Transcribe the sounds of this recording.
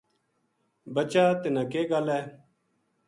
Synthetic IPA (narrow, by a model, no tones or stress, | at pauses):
bət͡ʃaːt̪ɪnãːkeːɡəlɛː